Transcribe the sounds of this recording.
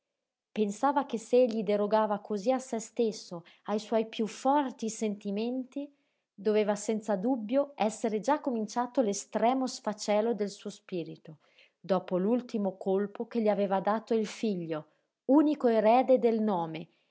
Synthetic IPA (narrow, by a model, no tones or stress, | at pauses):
pensaːvakeseeʎːid̪eɾoɡaːvakʰoziasest̪esːo | ajswɔjpjufːɔrt̪isent̪iment̪i | d̪oveːvasɛnt̪sad̪ubːjoɛsːeɾed͡ʒakːomint͡ʃaːt̪olest̪ɾɛːmosfat͡ʃɛːlod̪elsuːospiːɾit̪o | d̪ɔːpolult̪imokʰolpokeʎːiaveːvad̪aːt̪oilfiʎːo | uːnikoeɾɛːd̪ed̪elnɔːme